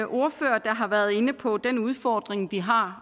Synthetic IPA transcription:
ʔo̝ɐfø̰ːɐd̥ɑ̈ɦɑ̈ʋæɐðˠe̝nəpʰɒ̽d̥enuð̞ˠfɒːd̥ʁeŋʋiɦɑ̈

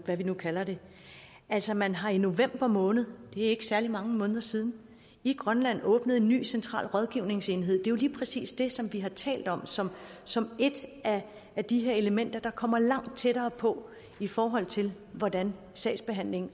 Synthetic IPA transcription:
ʋæʋinukʰælɐd̥e̝ | æl̰sɒmænɦɑ̈ino̝ʋem̰b̥ɐmɔ̽ːnð̞̩ˠd̥e̝æe̝ɡ̥ə̥sæɐlimɑ̈ŋəmɔ̽ːnðˠɐsiːð̞ˠn̩ | iɡ̥ʁɶnlæn̰ɔ̽ːb̥nəðˠe̝nːy̰ːsent͡sʰʁɑ̰̈ːlʁɒ̽ð̞ˠɡ̥iʊne̝ŋse̝ːnɦe̝ð̞̰ˠd̥e̝jo̝liːpʰʁɛsḭːsd̥e̝sɒ̽mʋiɦɑ̈t͡sʰɛ̰ːld̥ɒ̽m̰sɒ̽msɒ̽me̝d̥æ | æd̥iɦe̝ɐe̝ləmen̰d̥ɐd̥ɑ̈kʰɒ̽m̰ɐlɑ̈ŋ̰d̥̚t͡sʰeɾɐːpʰɒ̽ | ifɒːɦɒ̽l̰t͡sʰe̝l | ʋɒd̥æn | sɛ̰ːsb̥e̝ɦæn̰le̝ŋ̩

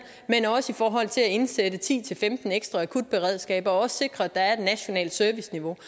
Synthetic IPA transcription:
menɒ̽səifɒːɦɒ̽l̰t͡sʰe̝læe̝nsed̥ət͡sʰḭːt͡sʰe̝lfemd̥n̩eɡ̥sd̥ʁɑækʰud̥̚b̥e̝ʁɛ̰ð̰ˠsɡ̥ɛ̰ːb̥ɒ̽ɒ̽sse̝ɡ̥ʁɐæd̥ɑ̈æɐe̝d̥næɕo̝nɛ̰ːld̥sœɐʋisniʋo̝

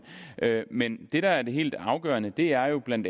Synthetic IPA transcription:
ʔømend̥e̝ɾ̥ɑ̈æɐd̥e̝ɦe̝̰ːld̥ɑ̈ʊɡ̥ɶ̰ːɐnəd̥e̝æɐjo̝b̥læn̰d̥

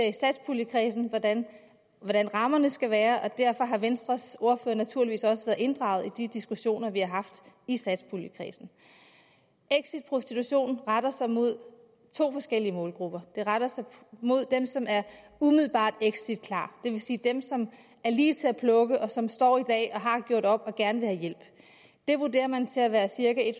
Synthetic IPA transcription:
isæd̥spʰuːləkʰʁiːsn̩dæn | ʋɒɾænʁɑ̈mɐnəsɡ̥æʋæːɐʔɒ̽d̥æɐ̰fɒ̽ɦɑ̈ʋensd̥ʁɐso̝ɐføːɐnæt͡sʰuɐliʋḭːsɒ̽səʋæːɐðˠe̝nd̥ʁɑ̈ʊð̩ˠid̥id̥isɡ̥uɕo̝̰ːnɐʋihɑ̈ɦɑ̈fd̥isæd̥spʰuləkʰʁḭːsn̩ | ʔeɡ̥sid̥pʰʁo̝sd̥it͡sʰuɕo̝̰ːnn̩ʁaɾ̥ɐsɑ̈ɪmo̝ð̞̰ˠ | t͡sʰo̝̰ːfɒ̽sɡ̥el̰iəmɔːlɡ̥ʁub̥ɐd̥e̝ʁaɾ̥ɐsɑ̈ɪmo̝ð̞̰ˠd̥emsɒ̽mæɐ | umiðl̩ˠb̥ɑ̰̈ːd̥eɡ̥sid̥̚kʰlɑ̰̈ːd̥e̝ʋe̝siːd̥emsɒ̽m | æɐliːt͡sʰe̝æpʰlɔ̽ɡ̥əʔɒ̽sɒ̽msd̥ɒ̰ːid̥ɛ̰ːʔɒ̽ɦɑ̈ɡ̥jo̝ɐ̰ɾ̥ɒ̽b̥ɒ̽ɡ̥æɐnəʋe̝hæjel̰b̥ | d̥e̝ʋuɐde̝̰ːɐmænt͡sʰe̝læʋæːɐsiɐɡ̥æe̝d̥

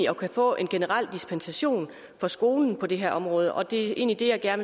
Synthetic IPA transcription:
ɒ̽kʰæfɔ̰̽ːʔe̝nɡ̥e̝nəʁɑl̰d̥isb̥ensæɕo̝̰ːn | fɒ̽sɡ̥o̝ːln̩pʰɒ̽d̥e̝ɦæɐ̰ɒ̽mʁɔ̽ːð̞ˠəʔɒ̽d̥e̝ʔe̝̰ːnlid̥e̝jɑ̈ɪɡ̥æɐn

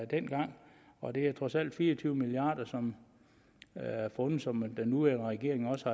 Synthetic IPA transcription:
d̥en̰ɡ̥ɑ̈ŋ̰ | ɒ̽d̥e̝æɐt͡sʰʁɒ̽sæl̰d̥fiːɐɒt͡sʰyːʊəmiliɑ̈ːd̥ɐsɒ̽m | æɐfɔ̽nð̩ˠsɒ̽md̥enːuʋæɐnəʁɛɡ̥e̝ɐ̰eŋɒ̽səhɑ̈

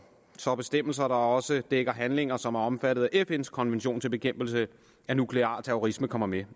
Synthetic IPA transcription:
sɒ̽b̥e̝sd̥em̰l̩s̬ɐɾɑ̈ɒ̽səd̥eɡ̥ɐɦænle̝ŋɐsɒ̽mæɐɒ̽mfæɾ̥ð̞̩ˠæʔefenskʰɒ̽nʋenɕo̝̰ːnt͡sʰe̝lb̥e̝kʰem̰b̥l̩sə | ænukʰle̝ɑ̈ːt͡sʰeoʁisməkʰɒ̽m̰ɐme

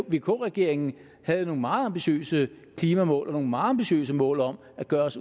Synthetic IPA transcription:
ʋe̝kʰɔ̰ːʁɛɡ̥e̝ɐ̰eŋn̩ | hæð̞̩ˠno̝ːŋ̩mɑ̈ːð̩ˠɑ̈mb̥iɕø̰ːsə | kʰliːmæmɔ̰̽ːlʔɒno̝ŋ̩mɑ̈ːð̩ˠɑ̈mb̥iɕø̰ːsəmɔ̰̽ːlɒ̽m | æɡ̥ɶːɐs

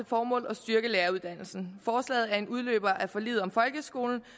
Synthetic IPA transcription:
fɒːmɔ̰ːlɒ̽sd̥yɐɡ̥əleːɐuðˠd̥æn̰l̩sn̩fɒːslɛ̰ːð̩ˠæɐe̝nuð̞ˠlø̰ːb̥ɐʔæɐfɒ̽lḭːð̞̩ˠɒ̽mfɒ̽lɡ̥əsɡ̥o̝̰ːln̩

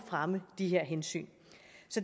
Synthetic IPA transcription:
fʁaməd̥eɦeɐ̰ɦensy̰ːn | sɒ̽d

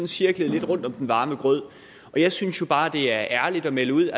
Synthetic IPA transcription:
nsiɐɡ̥ləð̩ˠle̝d̥ʁɔ̽n̰d̥ɒ̽md̥enʋɑ̈ːməɡ̥ʁœð̰ˠ | ʔɒ̽jɑ̈ɪsynsjo̝b̥ɑ̈ːd̥e̝æɐʔæɐlid̥ɒ̽meləuð̰ˠæ

